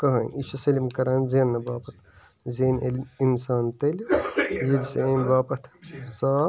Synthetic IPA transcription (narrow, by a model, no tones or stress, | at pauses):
kɐɦɐːnʲit͡ʃʰusɐlimkɐɾaːnzeːnːɐbaːpɐt̪ʰ | zeːnelʲinsaːnt̪ɐlʲjilseenʲbaːpɐt̪ʰsaː